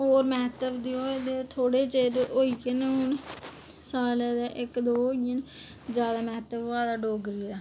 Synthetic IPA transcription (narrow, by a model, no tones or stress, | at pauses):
ɦoːɾmɛːt̪əbd̪iːoːed̪et̪ʰoːɽeːt͡ʃeːɾeʔoːiːkenʊn | saːled̪eʔɪkd̪oːiən | d͡ʒjaːd̪aːmɛːt̪əboaːd̪aːɖoːɡɾiːaː